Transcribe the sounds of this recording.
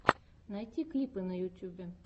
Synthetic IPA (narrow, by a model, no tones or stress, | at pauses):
najtʲiklʲipɨnəjʊt̪ʲubʲe